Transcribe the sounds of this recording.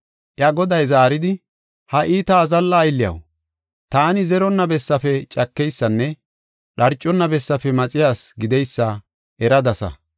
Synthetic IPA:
ʔjɐɡɔd̪ɐjzaːɾɪd̪ɪ | hɐʔiːt̪aːzɐlːɐːjlːɪjɐ̰w | t̪aːnɪzɛɾɔnːɐbɛsːɐfɛt͡ʃʼɐkːɛjsːɐnːɛ | ɗɐɾt͡ʃʼːɔnːɐbɛsːɐfɛmɐt͡sʼɪjaːsɡɪd̪ɛjsːɐ | ʔɛɾɐd̪ɐsɐ̰

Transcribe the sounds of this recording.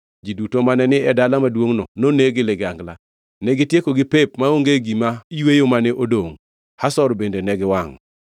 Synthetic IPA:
d͡ʒidutomanɛnɪɛdalamadwoŋnɔnoneɡɪleɡaŋɡla̰ | nɛɡɪtjekoɡɪpep̚maoŋɡeɡimaiwejomanɪʔodoŋ | hasɔɾbendenɛɡɪwaŋ

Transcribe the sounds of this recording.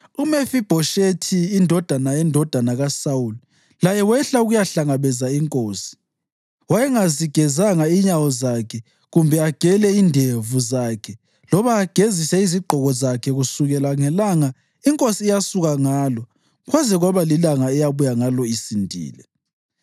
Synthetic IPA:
umefib̥ʱɔʃetʰiːndʱɔd̥ʱanaɛndʱɔd̥ʱanaɣasauli | lajɛwɛɬauɣujaɬaŋaβɛzaiŋkʼoːsi̥ | wajɛŋaziɡ̥ʱɛzaŋaiɲawɔzakʰɛ | ɣumbʱɛaɡ̥ʱɛlɛindʱevuzakʰɛ | lɔβaːɡ̥ʱezisɛiziɡ͡ǃʱɔɣɔzakʰɛɣusuɣɛlaŋɛlaŋa | iŋkʼosiːjasuɣaŋaːlɔ | ɣwazɛɣwaβalilaŋaɛjaβujaŋalɔisindʱḭːlɛ̰

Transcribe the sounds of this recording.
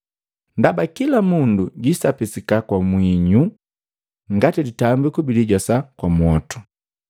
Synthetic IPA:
ndabakilamunduɟisapisikakwamwiɲu | ŋɡatiditambikubiliɟɔsakwamwɔtu̥

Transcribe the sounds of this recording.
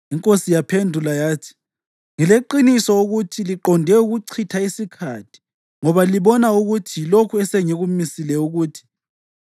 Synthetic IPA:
iŋkʼosijapʰendʱulajaːtʰi̥ | ŋɛleǃinisɔuɣutʰiliǃɔndʱɛuɣuǀʰitʰaisikʰatʰi̥ | ŋɔβaliβɔnauɣutʰilokʰuɛseŋiɣumisilɛuɣuːtʰi̥

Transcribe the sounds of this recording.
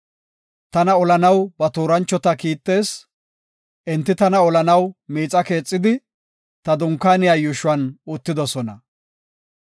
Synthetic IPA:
t̪ɐnɐɔlɐnɐwbɐt̪uːɾɐnt͡ʃːɔt̪ɐkiːt̪ːe̞ːs | ʔɛnt̪ːɪt̪ɐnɐɔlɐnɐwmiːt͡sʼːɐke̞ːt͡sʼːɪd̪ɪ | t̪ɐd̪ʊŋkːaːnɪjaːjʊʃʊwɐnʊt̪ːɪd̪ɔsɔnɐ

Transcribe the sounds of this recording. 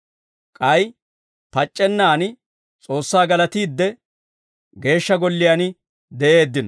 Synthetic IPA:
kʼɐj | pɐt͡ʃʼːɛnːaːnɪ | t͡sʼo̞ːsːaːɡɐlɐt̪iːd̪ːɛ | ɡe̞ːʃːɐɡɔlːɪjan | d̪ɛʔe̞ːd̪ːɪnɔ

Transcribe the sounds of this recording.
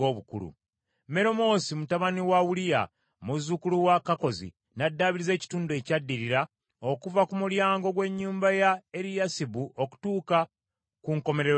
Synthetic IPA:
oβukṵlṵ | me̞ɾo̞mo̞ːsimutaβaniwawulija̰ | muzukuluwakako̞zḭ | nadːaβiɾize̞ːci̥tuːndue̞ːcadːiɾiɾa | o̞kuvakumuljaːŋɡo̞ɡwe̞ɲːuːmbajae̞ɾijasibuʔo̞ku̥tuːka | kuŋko̞me̞ɾe

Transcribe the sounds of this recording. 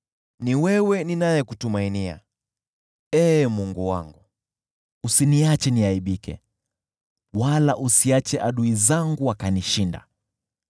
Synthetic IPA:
niwɛwɛninajɛkutumainia̰ | ɛmuŋɡuwa̰ŋɡu | usiniat͡ʃɛniaiɓikɛ̰ | walaʔusiat͡ʃɛʔaɗuizaŋɡuwakaniʃinda̰

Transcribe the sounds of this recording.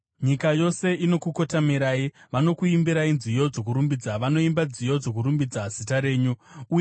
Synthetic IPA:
ɲikajo̞se̞ino̞kuko̞tamiɾaiʋano̞kuimbiɾainzijo̞d͡zo̞k̬uɾumbid͡zaʋano̞imbad͡zijo̞d͡zo̞kuɾumbid͡zaz̥itaɾe̞ːɲuuːje

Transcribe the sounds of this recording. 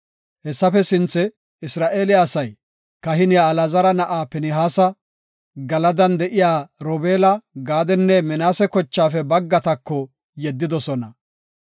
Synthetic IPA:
hɛsːɐfɛsɪnt͡sːɛ | ɪsɾaːʔeːlɪaːsɐj | kɐɦɪnɪjaːlɐzɐɾɐnɐʔaːpɛnɪɦaːsɐ | ɡɐlɐd̪ɐnd̪ɛʔɪjaːɾoːbeːlɐɡaːd̪ɛnːɛmɛnaːsɛkɔt͡ʃːaːfɛbɐɡːɐt̪ɐkːɔ | jɛd̪ːɪd̪ɔsɔnɐ

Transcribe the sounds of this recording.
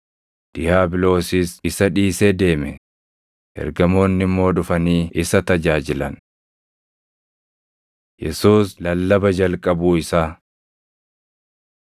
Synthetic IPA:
d̪̥ɪjaːbɪlo̞ːsɪsɪsɐᶑiːseːd̪e̞ːmɛ | ʔɛ̰ɾɡɐmo̞ːnːɪmːo̞ːᶑʊfɐniːɪsɐt̪ɐd͡ʒaːd͡ʒɪlɐn | jɛsuːslɐlːɐbɐd͡ʒɐlkʼɐbuːɪsaː

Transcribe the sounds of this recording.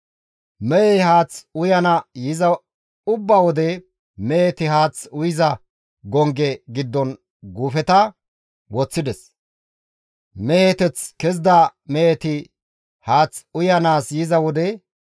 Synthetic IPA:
mɛjɛhaːt͡sʊjɐnɐjɪzɐ | ʊbːɐwɔd̪ɛ | mɛɛt̪ɪɦaːt͡sʊjɪzɐ | ɡɔŋɡɛɡɪd̪ːɔn | ɡuːfɛt̪ɐ | wɔt͡sːɪd̪ɛs | mɛɛt̪ɛt͡skɛzd̪ameɛt̪ɪ | haːt͡sʊjɐnaːsjɪzɐwɔd̪ɛ

